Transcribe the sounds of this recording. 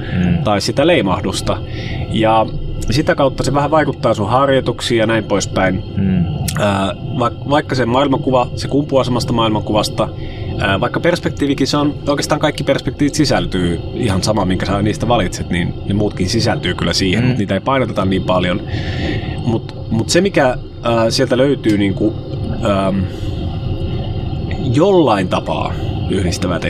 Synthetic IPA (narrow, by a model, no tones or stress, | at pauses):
t̪ɑissit̪æleimɑhdust̪ɑ | jɑsit̪ækɑut̪ːɑseʋæhæʋɑikut̪ːɑːsuhɑrjot̪uksiːjɑnæimpoispæin | əːʋɑkʋɑikːɑsemɑilmɑŋkuʋɑsekumpuɑˑsemɑst̪ɑmɑilmɑŋkuʋɑst̪ɑ | əːʋɑˑikːɑperspek̚t̪iːʋikinseonoˑikeːst̪ɑŋkɑikːiperspekt̪iːʋit̪sisælt̪yː | ihɑnsɑmɑmiŋkæsniːst̪æʋɑlit̪set̪ninnemuːt̪kinsisælt̪yːkylːæsiːhḛmut̪niːt̪æeipɑinot̪et̪ɑnniːmpɑljon | mut̪ | mut̪semikæ | əːsielt̪æløyt̪yːniːŋku | əːm | jolːɑint̪ɑpɑ̰ːyhɾist̪æʋæ̰t̪e